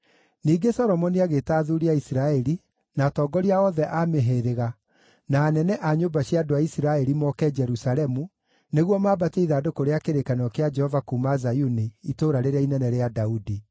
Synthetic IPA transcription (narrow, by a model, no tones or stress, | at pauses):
niːɡesɔɾɔmɔniaɣetaːðuɾiaisiɾaɛɾi | naːtɔɡɔɾiaɔðɛʔameɦeɾeɣa | naːnɛnɛʔaɲobaɕjadoaisiɾaɛɾimɔkɛd͡ʒɛɾusaɾɛmu | neɣwɔmaːbateiðaːdokoɾeakeɾekanɔkead͡ʒɛhɔvakumazajuniitoːɾaɾeɾainɛnɛɾeadaudi